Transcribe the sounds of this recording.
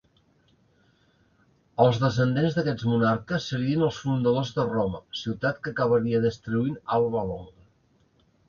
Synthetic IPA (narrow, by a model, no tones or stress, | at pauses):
əlˠzðəs̬ənd̪enzðəkɛt͡smunaɾkəsːəɾiənəlˠsfund̪əðozðərɔməsiwt̪at̪kəkəβəɾiəðəst̪ɾuinalˠβəlɔŋɡə